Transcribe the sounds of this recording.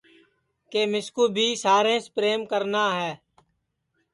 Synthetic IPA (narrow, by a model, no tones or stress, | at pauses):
keːmɪskuːbʱiːsaːɾẽːspɾeːmkəɾnaːɦɛː